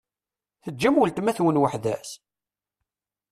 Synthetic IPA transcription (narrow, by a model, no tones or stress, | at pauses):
θəd͡ʒːæməlt̪mæθwənwəħðæ̰s